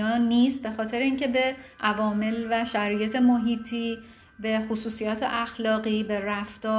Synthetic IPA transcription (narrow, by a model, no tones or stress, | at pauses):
ɒːniːst̪̚be̞xɒːt̪ʰe̞ɾeiːŋce̞beʔævɒːme̞lvæʃæɾɒːjet̪ʰe̞moɦiːt̪ʰiː | be̞xosuːsijɒːt̪ʰḛʔæxlɒːɣiːbe̞ɾæft̪ɒː